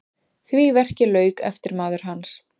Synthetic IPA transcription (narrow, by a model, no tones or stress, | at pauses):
θvivɛr̥cɪlœːɥkɛ̰ft̪ɪɾmaːðʏɾ̥ɦans